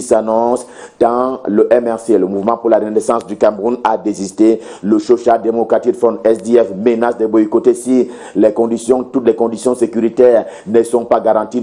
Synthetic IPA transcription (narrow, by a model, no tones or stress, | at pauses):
sanɔ̃s | d̪̥ɑ̃ləʔɛmɛʁseləmuvmɑ̃puʁlaʁənesɑ̃sd̪ykamʁunad̪ezist̪e | ləʃoʃad̪emɔkʁat̪ikd̪fɔ̃ɛsd̪eɛfmenasd̪ɛbɔikot̪esi | lɛkɔ̃d̪isjɔ̃t̪ut̪lɛkɔ̃d̪isjɔ̃sekyʁit̪ɛːʁnəsɔ̃paɡaʁɑ̃t̪i